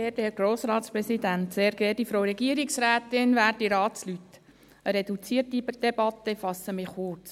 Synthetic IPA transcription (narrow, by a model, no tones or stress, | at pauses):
eːd̥ɛɾɡ̥ɾoːsɾɑːt̪spɾɛsidænt̪seːɾɡ̥ɛːdifɾoɾɛɡiəɾiksɾæːt̪ɪnʋæːɾdiɾɑːslytː | əɾɛd̪ut͡siːərtid̪̥ɛbɑt̪ːəfɑsəmɪχʊrt͡s